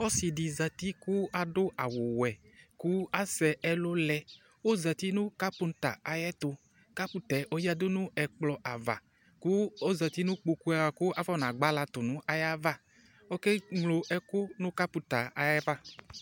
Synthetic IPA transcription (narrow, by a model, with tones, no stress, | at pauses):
ɔ˦si˨ɖi˨za˨t̪i˦ku˦a˨dʊ˦ʔa˨wo˨wɛ˨ | ku˦a˦sɛ˨ɛ˦lʊ˦lɛ˦ | wo˦za˨t̪i˦nũ˦ka˦pu˨˦n˦t̪a˨a˨jɛ˦t̪ʊ˨ | ka˦pu˨t̪ɛ˨ʔo˦ji˦a˦dʊ˦nũ˦ɛ˨k͡plɔ˨ʔa˨va̰˨ | ku˦o˦za˨t̪i˦nũ˦k͡po˨ku˦a˨a˨kʊ˦a˨vɔ˦nã˨ɡ͡ba˦la˨t̪ʊ˨nũ˦ʔa˦ja˦va˦ | o˦ke˦ŋlo˨ʔɛ˨kʊ˦nũ˦ka˦pu˨˦t̪a˨a˨jɛ˦va˦